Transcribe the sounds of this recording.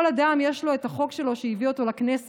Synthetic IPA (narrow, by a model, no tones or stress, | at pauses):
olad̪amje̞ʃlo̞et̪aχo̞kʃe̞lo̞ʃejivio̞t̪o̞laknes